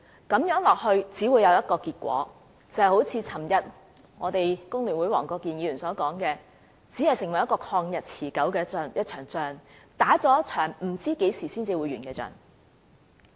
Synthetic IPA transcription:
kɐ˨˥mjœː˨˥ŋlɔː˨k̚hɵ˧ɥt͡siː˨˥wuː˨˧jɐ˨˧wjɐ˥t̚kɔː˧kiː˧t̚kʷɔ̰ː˨˥ | t͡sɐ˨˧hɐ˨jho˨˥wt͡sʰiː˨˧t͡sʰɐ˨˩mjɐ˨t̚ | ŋɔː˨˧t̪e˨jkʊ˥ŋlyː˨˩nwuː˨˥jwɔː˨˩ŋkɔː˧kːiː˨njiː˨˧ɥyː˨˩nsɔː˨˥kɔː˨˥ŋkɛː˧ | t͡siː˨˥hɐ˨jsɪ˨˩ŋwɐ˨˩jɐ˥kɔː˧kʰɔː˧ŋjɐ˨t̚t͡sʰiː˨˩kɐ˨˥wkɛː˧t͡sːnjɐ˥t̚t͡ʃʰœː˨˩ŋt͡sœː˧ŋt̪aː˨˥t͡sɔː˨˥t͡ʃʰœː˨˩ŋm̩˨˩t͡siː˥ke˨˥jsiː˨˩siː˥nt͡siː˧wu˨˧jɥyː˨˩nkɛː˧t͡sœ̰ː˧˩n

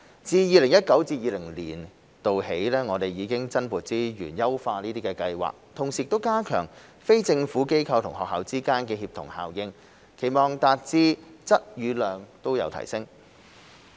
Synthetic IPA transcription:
t͡siː˧jiː˨˧lɪ˨˩ŋjɐ˥t̚kɐ˨˥wt͡siː˧t̚jiː˨˧lɪ˨˩ŋlḭː˨˩n | t̪o˨whe˨˥jlɛː˥ŋɔː˨˧t̪e˨jiː˨˧kɪ˥ŋt͡sɐ˥npuː˨˩t̚t͡siː˥jy̰ː˨˩njɐ˥wfaː˧niː˥t̪iː˥kɛː˧kɐ˧jwa̰ː˨˩k̚t̪ʰʊ˨˩ŋsiː˨t̪o˥wkaː˥kʰœ̰ː˨˩ŋfe˥jt͡sɪ˧ŋfuː˨˥ke˥jkʰɐ˧wt̪ʰʊ˨˩ŋɦɔ̰ː˨khaː˨˧wt͡siː˥kaː˥nkɛː˧hiː˧p̚t̪ʰʊ̰˨˩ŋha̰ː˨˩wjɪ˧ŋ | kʰe˨˩jmɔː˨˩ŋt̪aː˧t̚t͡siː˧t͡sɐ˥t̚jyː˨˧lœː˨˧ŋt̪o˥wjɐ̰˨˧wt̪ʰɐ̰˨˩jsɪ˥ŋ

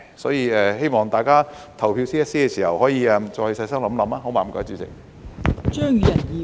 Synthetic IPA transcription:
sɔː˨˥jiː˧ɛː˧he˥jmɔː˨ŋt̪aː˨jkaː˥ | t̪ʰɐ˨˩wpʰiː˧wsiː˥ɐ˥tsiː˥ɛː˧siː˨˩hɐ˨˩whɔː˨˥jiː˧ɛ˧mt͡sɔː˧hɵ˨˧˩sɐ˧jsɐ˥ŋlɐ˨˥mlɐ˨˥maː˧˥ɦo˨˥maː˨˩m̩˨˩kɔ̰ː˨˥t͡ʃyː˨˥t͡sɪ̰˨˩k̚ | t͡ʃœː˥ŋjyː˨˧˥jɐ˨˩njiː˨

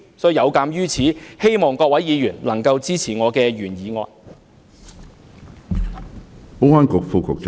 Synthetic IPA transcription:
sɔː˨˥y˨˧jɐ˨˧wkaː˨˧˥mjyː˥t͡sʰiː˨˥he˥jmɔː˨ŋkɔː˧k̚wɐ˨˥jjiː˨˧jyː˨˩nlɐ˨˩ŋkɐ˧wt͡siː˥t͡sʰiː˨˩ŋɔː˨˧kɛː˧ɥyː˨˩njiː˨˧ŋɔ̰ː˧n | po˥aː˥nkʊ˨k̚fuː˨˧kʰʊ˨k̚t͡s

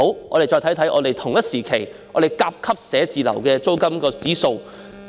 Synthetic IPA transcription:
wʔɔː˧ɾe˨jt͡ʃɔː˧t̪ʰjt̪ʰɐ˥jʔɔ̰ː˨˧t̪e˨jt̪ʰʊ˨˩ŋjɐ˥t̚siː˨˩kʰe˨˩j | ʔɔː˧d̪e˨jkaː˧p̚kʰɐ˥p̚sɛː˨˥t͡siː˨˧lɐ̰˨˩wkɛː˧t͡so˥wkɐ˥mkɔː˧t͡siː˨˥so˧w

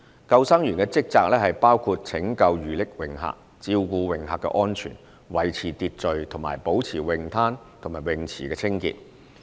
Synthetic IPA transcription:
kɐ˧wsa˥ŋjyː˨˩nkɛː˧t͡sɪ˥k̚t͡saː˧k̚lɛː˥ɦɐ˨jpaː˥wkʰu˧t̚t͡sʰɪ˨˥ŋkɐ˧wjyː˨˩lɪ˨˥k̚wɪ˨˩ŋɦa̰ː˨˧k̚ | t͡siː˧wkuː˧wɪ˨˩ŋha̰ː˨kːɛ̰˧ʔɔː˥nt͡ʃʰy̰ː˨˩n | wɐ˨˩jt͡sʰiː˨˩t̪iː˨˧t̚t͡ʃɵ˨ɥt̪ʰʊ˨˩ŋma̰ː˨˩jpo˨˥wt͡sʰiː˨˩wɪ˨ŋt̪ʰaː˥nt̪ʰo˨˩ŋmaː˨˩jwɪ˨˩ŋt͡sʰiː˨˩kɛː˧t͡sʰɪ˥ŋkḭː˧t̚

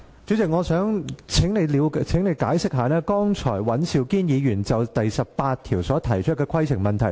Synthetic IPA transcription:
t͡ʃy˨˥t͡sɪ˨k̚ŋɔː˨˧sœː˨˥ŋt͡sʰɪ˨˥ŋne˨˧jli˨˧wt͡sʰɪ˨˥ŋne˨˧jkaː˨˥jsɪ˥k̚ɦaː˨nɛː˥kɔː˥ŋt͡ʃʰɔː˨˩jwɐ˨˥nsiː˨˧wkiː˥njiː˨˧jyː˨˩nt͡sɐ˨wt̪ɐ˨jsɐ˨p̚paː˧t̚t̪ʰiː˨˩wsɔː˨˥t̪ʰɐ˨˩jt͡ʃʰɵ˥t̚kɛː˧kʰɐ˥jt͡sʰɪ˨˩ŋmɐ˨˩nt̪ʰɐ˨˩j

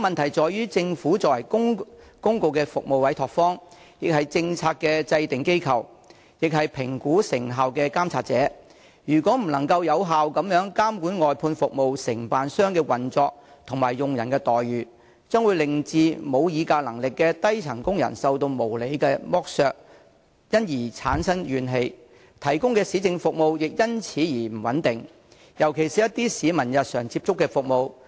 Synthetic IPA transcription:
mɐ˨nt̪ʰɐ˨˩jt͡ʃɔː˨jyː˥t͡sɪ˧ŋfuː˨˥t͡sɔː˨wɐ˨˩jkʊ˥ŋkʊ˥ŋko˧wkɛː˧fʊ˨k̚mo˨wɐ˨˥jt̪ʰɔː˨k̚fɔː˥ŋ | jɪ˨k̚hɐ˨jt͡sɪ˧ŋt͡sʰaː˧t̚kɛː˧t͡sɐ˧jt̪ɪ˨˩ŋke˥jkʰɐ˨˩w | jɪ˨k̚ɦɐ˨jpʰɪ˨˩ŋkuː˨˥sɪ˨˩ŋɦaː˨wkɛː˧kaː˥mt͡sʰaː˧t̚t͡sɛː˨˥ | jyː˨˩kʷɔː˨˥m̩˨˩lɐ˨˩ŋkɐ˧wjɐ˨˧wɦaː˨wkɐ˨˧˥mjœː˨˥ŋkaː˥mkuː˨˥nŋɔː˨jpʰuː˧nfʊ˨k̚mo˨˧wsɪ˨˩ŋpaː˨nsœː˥ŋkɛː˧wɐ˨˩nt͡sɔː˧k̚ | t̪ʰʊ˨˩ŋmaː˨˩jːʊ˨ŋjɐ˨˩nkɛː˧t̪ɔː˨jɥyː˨˩ | t͡sœː˥ŋwu˨˧jlɪ˨ŋt͡siː˧mo˨˧wjiː˨˧kaː˧lɐ˨˩ŋlɪ˨kːɛː˧t̪ɐ˥jt͡sʰɐ˨˩ŋkʊ˥ŋjɐ̰˨˩nsɐ˨˧wt̪o˧wmo˨˩wle˨˧jkɛː˧mɔː˥k̚sœː˧k̚ | jɐ˥njiː˨˩t͡sʰa̰ː˨˥nsɐ˥ŋjyː˨˧nɦe˧j | t̪ʰɐ˨˩jkʊ˥ŋkɛː˧siː˨˥t͡sɪ˨˧ŋfʊ˨k̚mo˨wjɪ˨k̚jɐ˥nt͡sʰiː˨˥jiː˨˩m̩˨˩wɐ˨˥nt̪ɪ˨ŋ | jɐ˨˩wkʰe˨˩jsiː˨jɐ˥t̪iː˥siː˨˧mɐ˨˩njɐ˨t̚sœː˨˩ŋt͡siː˧p̚t͡sʊ˥kːɛː˧fʊ˨k̚mo˨˧w

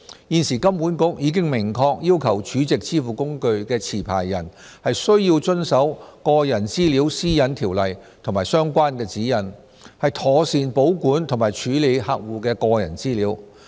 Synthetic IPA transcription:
jiː˧nsiː˨˩kɐ˥mpuː˨˥nkʊ˥k̚jiː˨˧k̬ɪ˥ŋmɪ˨˩ŋkʰɔː˧k̚jiː˥wkʰɐ˨˩wt͡ʃʰyː˨˥t͡sɪ˨k̚t͡sʰiː˥fuː˨˩kʊ˥ŋkɵ˧ɥkɛː˧t͡sʰiː˨˩pʰa̰ː˨˩jːɐ˨˩n | hɐ˨jsɵ˥ɥjiː˧wt͡sɵ˥nsɐ˨˥wkɔː˧jɐ˨˩nt͡siː˥liː˨˥wsiː˥jɐ˨˥nt̪ʰiː˨˩wlɐ˨jt̪ʰʊ˨˩ŋmaː˨˩jsœː˥ŋkʷaː˥nkɛː˧t͡siː˨˥jɐ˨˩n | hɐ˨jt̪ʰɔː˨˩siː˨npo˨˥wkuː˨˥nt̪ʰʊ˨˩ŋmaː˨˩jt͡ʃʰyː˨˥le˨˧jhaː˨˧k̚wuː˨kɛː˧kɔː˧jɐ̰˨˩nt͡siː˥liː˨˧˥w

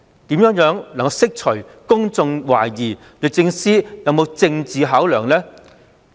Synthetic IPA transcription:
t̪iː˨˥mjœː˨˥ŋjœː˨˥ŋlɐ˨˩ŋkɐ˧wsɪ˥k̚t͡ʃʰɵ˨˩ | kʊ˥ŋt͡sʊ˧ŋwa̰ː˨˩jjiː˨˩ | lɵ˨˧t͡sɪ˧ŋsiː˥jɐ˨˧wmo˨˧wt͡sɪ˧ŋt͡siː˨ɦaː˨˥wlœː˨˩ŋlɛː˥

